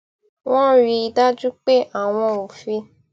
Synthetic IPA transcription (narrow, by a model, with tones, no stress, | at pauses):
w̃ɔ̃˦ɾi˧i˧da˦d͡ʒu˦k͡pe˦ʔa˦˨w̃ɔ̃˧o˨fi˧